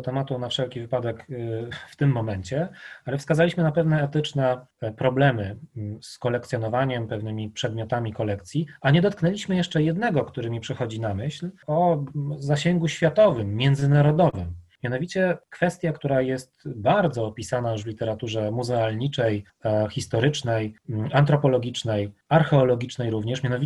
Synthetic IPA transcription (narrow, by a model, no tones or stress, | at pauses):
t̪ɛmat̪unafʂɛlkʲivɘpad̪ɛkft̪ɘmːɔmɛɲt͡ɕɛalɛfskazalʲiɕmɘnapɛvnɛːt̪ɘt͡ʂnɛpɾɔblɛmɘskɔlɛkt̪sjɔnɔvaɲɛmpɛvnɘmʲipʂɛd̪mʲjɔt̪amʲikɔlɛk̚t̪sʲjiaɲɛd̪ɔt̪̚knɛlʲiɕmɘjɛʂt͡ʂɛjɛd̪nɛɡɔkt̪uɾɘmʲipʂɛxɔd͡ʑinamɘɕlɔzaɕɛŋɡuɕfʲjat̪ɔvɘmːʲjɛnd̪zɘnaɾɔd̪ɔvɘmmʲːjanɔvʲit͡ɕɛkfɛst̪ʲjakt̪uɾajɛst̪baɾd̪zɔːpʲisanajuvlʲit̪ɛɾat̪uʐɛmuzɛalɲit͡ʂɛj | xʲist̪ɔɾɘt͡ʂnɛjant̪̬ɾɔpɔlɔɡʲit͡ʂnɛjaɾxɛɔlɔɡʲit͡ʂnɛjɾuvɲɛʂmʲjanɔvʲi